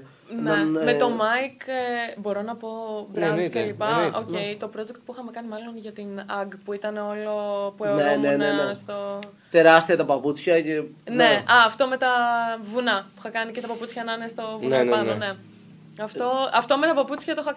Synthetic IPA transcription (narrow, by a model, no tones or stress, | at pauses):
nemet̪o̞mɐjkebo̞ɾo̞nɐpo̞bɾescelippɐoce̞it̪o̞pɾo̞d͡zekt̪̚puixɐme̞kɐnimɐlo̞nʝɐt̪inɐɡpuit̪ɐneo̞lopueneneneest̪o | t̪e̞ɾɐst̪iɐt̪ɐpɐput͡sçɐceneɐːft̪o̞me̞t̪ɐvunɐpu̥ixɐkɐnicet̪ɐpɐput͡sçɐnɐnest̪o̞vunnpɐnone̞ | ɐft̪o̞ɐft̪o̞me̞t̪ɐpɐput͡sçɐt̪oxɐ